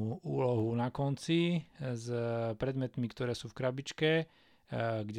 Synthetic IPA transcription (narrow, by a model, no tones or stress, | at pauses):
uuːlɔɦunakɔnt͡sizpɾɛd̪mɛt̪mikt̪ɔɾɛːsuːfkɾabit͡ʃkɛ | ɡɟ